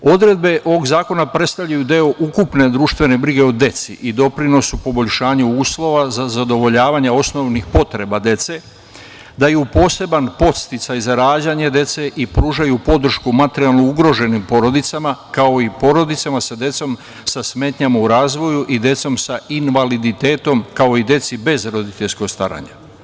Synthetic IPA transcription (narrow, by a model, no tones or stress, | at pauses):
o̞d̪ɾe̞d̪be̞ʔo̞ʋo̞ɡzaːko̞napɾe̞t̪st̪avʎajud̪e̞o̞ʔukupne̞d̪ɾuːʃt̪vʋe̞nebɾiɡe̞o̞d̪e̞t̪sḭʔid̪o̞pɾino̞supo̞bo̞ʎʃaːɲuuːslˠo̞ʋazazad̪o̞ʋo̞ʎaːʋaɲao̞sno̞ʋnixpo̞t̪ɾe̞bad̪je̞t̪se̞ | d̪ajupo̞ːse̞banpo̞t̪st̪it̪sajzaɾaːd͡ʑaɲed̪e̞t̪se̞ʔipɾuːʒajupo̞d̪r̩ʃkumat̪eɾijalˠnouɡɾo̞ʒe̞nimpo̞ɾo̞d̪it̪samakao̞ipo̞ɾo̞d̪it̪samasad̪je̞t̪so̞m | sasme̞ːt̪ɲamauɾaːzʋo̞juʔid̪je̞t̪so̞msainʋalid̪it̪eːt̪o̞mkao̞id̪je̞t̪sibe̞zɾo̞d̪it̪e̞ʎsko̞ɡst̪a̰ɾa̰ɲa̰